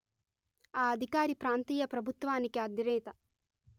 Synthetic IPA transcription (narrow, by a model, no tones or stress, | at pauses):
aːɐd̪ʱikaːɾipɾaːnt̪iːjɐpɾɐbʱut̪ʋaːnikiɐd̪iɾɛːt̪ɐ